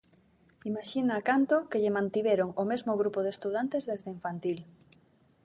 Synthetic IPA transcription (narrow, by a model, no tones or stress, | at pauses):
imaʃinaːkant̪okeʎemãnt̪iβeɾoŋomezmoɣ̞ɾupoð̞est̪uðant̪ezðezðeiɱfant̪il